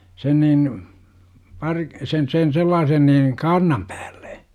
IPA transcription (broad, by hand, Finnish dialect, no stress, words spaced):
sen niːn pɑr sen sen selːɑːsen niːn kɑːrnɑm pæ̥ːl̥ːe̥